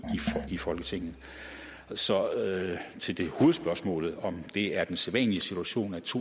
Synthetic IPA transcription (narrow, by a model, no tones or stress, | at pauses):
iifɒ̽lɡ̥ət͡sʰe̝ŋ̰n̩ | sɒ̽ | t͡sʰe̝ld̥e̝ho̝ːð̩ˠsb̥ɶɐsmɔ̰̽ːlð̞̩ˠɒ̽md̥e̝æɐd̥enseðˠʋɛ̰nliəsit͡sʰuæɕo̝̰ːnæ̥t͡sʰo̝̰